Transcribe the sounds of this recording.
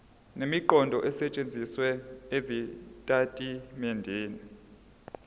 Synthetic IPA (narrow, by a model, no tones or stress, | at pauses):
nemiǃɔndʱɔʔɛsɛt͡ʃʼend͡zʱiswɛezitʼatʼimɛndʱeːni